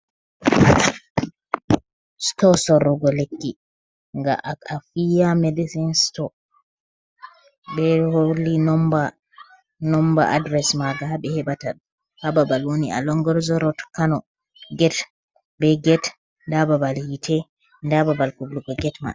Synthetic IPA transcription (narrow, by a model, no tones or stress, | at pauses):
stɔsɔɾɔɡɔlekːi | ŋɡa̰ʔaafijamedisinstɔ | bɛholinɔmba | nɔmba̰ʔa̰dɾɛsmaɡaɦaɓɛhɛbataɗ | hababalwonia̰lɔŋɡɔɾzɔɾɔtkanɔ | ɡɛt | bɛɡɛt | ndababalhitʰɛ | ndababalkubluɡɔɡɛtma̰